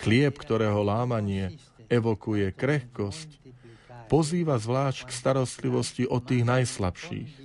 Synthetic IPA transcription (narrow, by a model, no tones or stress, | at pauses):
xlɪɛpkt̪ɔɾɛːɦɔlaːmaɲɪɛ | ɛʋɔkujɛkɾɛxkɔsc | pɔziːʋazʋlaːʃckst̪aɾɔst̪liʋɔsciʔɔt̪ːiːɣnajsla̰pʃḭːx